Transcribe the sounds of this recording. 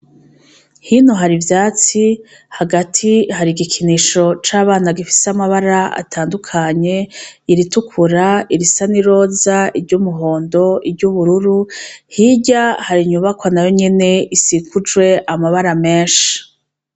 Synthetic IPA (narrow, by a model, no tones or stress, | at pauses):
hinoɦaɾivjaːt͡si | haɡatʰihaɾiɡikʰiniʃo̞t͡ʃaːβaːnaɡifi̥seamaβaɾaa̰tʰaːndukʰaɲe̞iɾitukʰuɾaiɾisaniɾo̞ːzaiɾɟuːmuɦo̞ːndo̞iɾɟuβuɾuɾuhiɟahaɾiɲuβakwanajo̞ɲe̞ne̞isikud͡ʒwe̞ʔamaβaɾame̞ːʃi̥